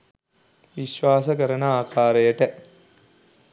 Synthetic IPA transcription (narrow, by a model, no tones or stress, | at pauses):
ʋiʃʋaːsɐk̬ɐɾɐnɐaːkʰaːɾɐjɐʈɐ